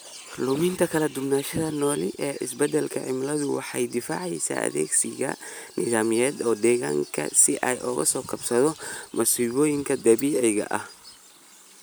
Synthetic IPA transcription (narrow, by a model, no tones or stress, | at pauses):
lʊmɪnt̪ʰɐkʰɐlɐd̪ʊbnaːʃɐðɐnɔːlɪʔɛːʔɪsbɛd̪ɛlkʰɐʕɪmlɐðʊwɑ̰ħɑjd̪ɪfa̰ːʕɛjsa̰ːʔɐ̰ðɛ̰ːɡsɪɣɐ̰ | nɪðaːmɪjɛːd̪ɔːd̪ɛːɣa̰ːŋkʰɐ̰sɪʔɐjʔɔːɣɐ̰sɔːkʰɐbsɐðɔmʔɐsiːβɔːjɪŋkʰɐd̪ɐβiːʕɛjɣɐ̰ʔɐh